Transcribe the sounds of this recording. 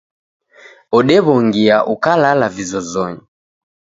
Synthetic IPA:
ɔɗɛβɔŋɡiaʔukalalavizɔzɔɲi

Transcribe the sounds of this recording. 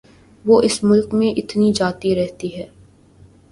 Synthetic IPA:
ʋoːʔɪsmʊlkmẽʔɪt̪nid͡ʒaːt̪iɾɛɦt̪iɦɛː

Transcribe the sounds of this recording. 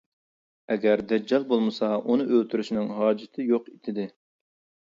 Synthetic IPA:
ɛɡʲæɾd̪ɛd͡ʒɑlˠbolˠmɨsɑunɨʔølt̪ʰyɾyʃnɪŋɦɑːd͡ʒɪt̪ʰɪjoqit̪ʰɪd̪ɪ

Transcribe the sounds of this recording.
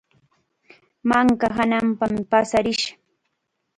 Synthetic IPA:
maŋkaɦanampampasaɾɪʃḁ

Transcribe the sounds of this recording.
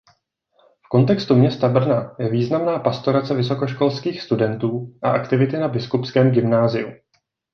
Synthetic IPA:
fko̞nt̪ɛkst̪umɲɛst̪abr̩najɛviːznamnaːpast̪o̞ɾat͡sɛvɪso̞ko̞ʃko̞lskiːxst̪udɛnt̪uːʔaʔakt̪ɪvɪt̪ɪnabɪskupskɛːmɡɪmnaːzɪu

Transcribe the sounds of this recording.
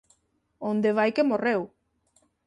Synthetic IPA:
ond̪eβ̞ajkemorew

